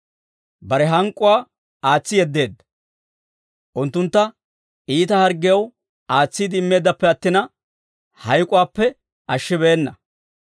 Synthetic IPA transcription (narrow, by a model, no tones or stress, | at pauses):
bɐɾɛɦɐŋkʼːʊwaː | aːt͡sːɪjɛd̪ːe̞ːd̪ːɐ̥ | ʔʊnt̪ːʊnt̪ːɐ | ʔiːt̪ɐhɐɾɡɪjɐw | aːt͡sːiːd̪ɪɪmːe̞ːd̪ːɐpːɛɐt̪ːɪnɐ | hɐjkʼʊwaːpːɛ | ʔɐʃːɪbe̞ːnːɐ